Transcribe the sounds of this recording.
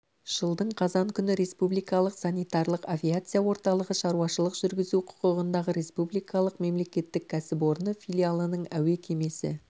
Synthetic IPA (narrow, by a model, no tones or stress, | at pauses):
ʒ̥əlˠd̪əɴqʰɑzɑŋkʲʰʏnɪɾe̞spublijjkɑlˠəqsanijt̪ɑɾlˠəqavʲijat̪sɨjawo̞ɾt̪ɑlˠəʁəʃɑɾuɑʃəlˠəqʒ̥ʏɾɡʲɪzuqʰʊ̥qəʁənd̪ɑʁəɾe̞spublˠijkɑlˠəqme̞mle̞kʲe̞t̪ːɪk̚ʲʰːæsɪpo̞ɾnəfʲilʲialˠənəɴæwe̞kʲʰe̞me̞sɪ̰